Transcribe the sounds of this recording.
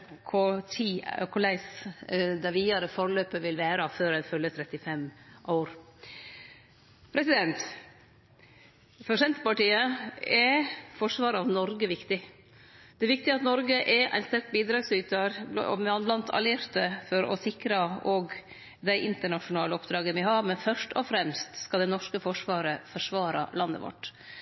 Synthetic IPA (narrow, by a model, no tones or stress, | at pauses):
kʰot̪ʰiːkʰʊlæɪsd̪æɾʋiːɑɾəfɔɾɭøːpəʋɪlʋæːɾɑføːɾænfœljət̪ʰɾɛt̪ːɪfɛmːʔɑʊɾ | pʰɾɛsɪd̪ɛnt̪ | fɔʂɛnt̪əpɑʈiːəɛfɔʂʋɑːɾɑʋnɔɾɡəʋɪkt̪ɪ | d̪̥ɛʋɪk̚t̪ɪɑt̪nɔɾɡəʔɛʔæ̰ɪnst̪æɾk̚biːd̪ɾɑːɡsyːt̪ɑɾ̰mɑnblɑnt̪ʰɑ̰lɪɾt̪əfɔɾɔ̰sɪkɾɑɔɡ | d̪æɪʔɪnt̪əɳɑʂʊnɑːləɔpd̪ɾɑːɡəmɪhɑmɛnfœʂʈɔfɾɛmst̪skɑd̪ɛnɔʂkəfɔʂʋɑːɾəfɔʂʋɑːɾɑ̰lɑnːə̰ʋɔ̰ʈː